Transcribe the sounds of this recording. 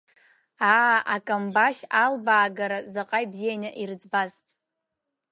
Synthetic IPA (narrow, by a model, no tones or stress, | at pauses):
aːʔakʼambaʃalbaːɡaɾazaqʼajbzijanaʔird͡zbazʼ